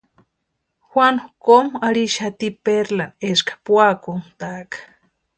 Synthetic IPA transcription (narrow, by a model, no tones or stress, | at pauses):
xwanukomaɾiʃat̪ipeɾlaneskḁpwakunt̪akḁ